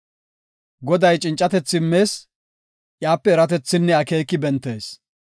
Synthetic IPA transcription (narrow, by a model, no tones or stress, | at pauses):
ɡɔd̪ɐjt͡ʃʼɪnt͡ʃʼːɐt̪ɛt͡sːɪmːe̞ːs | ʔjaːpːɛːɾɐt̪̬ɛt͡sːɪnːɛɐke̞ːkːɪbɛnt̪ːe̞ːs